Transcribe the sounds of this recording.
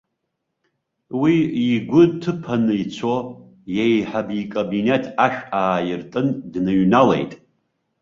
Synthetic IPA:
wiːɡʷʊtʰɨpʰanɨjt͡sʷʰo | jejħabikʼobinetʰaʃᶣaːjɪrtʼɨndnɨɥnalḛjtʼ

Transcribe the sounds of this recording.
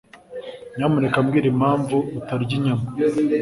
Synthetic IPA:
namunekamɡiːɾimhaːɱvuːtaɾɟiɲama

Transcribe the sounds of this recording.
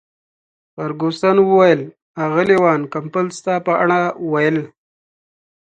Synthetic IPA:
xaɾɡost̪anwəwajəl | aɣəlewɑːnkampəlst̪apəaɳ̃awajəl

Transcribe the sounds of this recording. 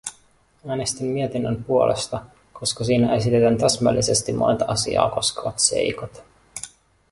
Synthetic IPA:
æːnest̪imːiet̪inːəmpuo̞lʔest̪ɑ | ko̞skɑsiːnæʔe̞sit̪et̪ænt̪æsmælːise̞st̪imːʔo̰nt̪ɑʔɑsḭɑ̰ːko̞skeʋɑt̪se̞̰jkot̪

